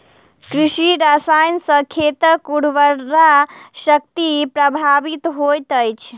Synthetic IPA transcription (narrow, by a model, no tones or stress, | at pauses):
kɾiʃiɾasajnsə̃kʰet̪əkuɽʋəɾaʃək̚t̪ipɾəbʱabit̪ɦojt̪əjt͡ʃʰ